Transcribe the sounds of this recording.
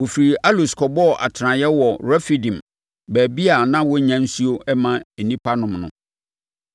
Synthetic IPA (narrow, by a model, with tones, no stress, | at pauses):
wo˨fɾi˨a˦lu˨skʰɔ˨bɔ˦˨ʔa̰˨tʰɾã˨jɛ˦wɔ˨ɾɛ˦fi˨dĩ˨m | bæː˨bi˦a˨nã˦wɔ˦ɲã˦n̩˦su˦o˦ʔɛ˦mã˦e˨nĩ˦pʰa˦nʊ̃˨mnʊ̰̃˦